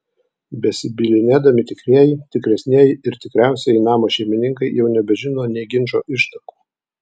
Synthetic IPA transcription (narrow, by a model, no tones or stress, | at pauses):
bʲɛsʲɪbʲɪlʲɪnʲeːd̪ɐmʲɪt̪ʲɪkɾʲiɛjɪt̪ʲɪkɾʲɛsʲnʲiɛjɪɪɾt̪ʲɪkɾʲæˑʊsʲɛɪnɑːmoːʃʲɛɪmʲɪnʲɪŋkɐɪjɛʊnʲɛbʲɛʒʲɪnoːnʲɛɪɡʲɪnʲt͡ʃoːʔɪʃt̪ɐku̥ː